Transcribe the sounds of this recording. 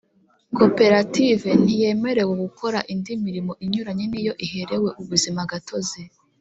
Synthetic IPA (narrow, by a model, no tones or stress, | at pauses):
ko̞pe̞ɾative̞n̥ije̞me̞ɾe̞weɡukʰo̞ɾaʔindimiɾimo̞ʔiɲuɾaɲe̞nijo̞ʔihe̞ɾe̞we̞ʔuβuzimaɡato̞ze